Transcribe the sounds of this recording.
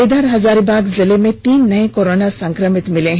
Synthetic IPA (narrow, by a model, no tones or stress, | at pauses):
ed̪aɾɦɐzaːɾibaːɡzɪlemẽt̪iːnːɐẽkoɾoːnasɐ̃ŋkɾəmɪt̪mɪlẽɦ